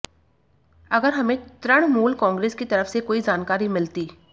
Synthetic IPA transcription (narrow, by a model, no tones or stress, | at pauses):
ɐɡəɾɦɐmẽt̪ɾəɽ̃muːlkɔ̃ːŋɡɾeːskit̪ɐɾəfsekoːid͡ʒaːnkaːɾimɪlt̪iː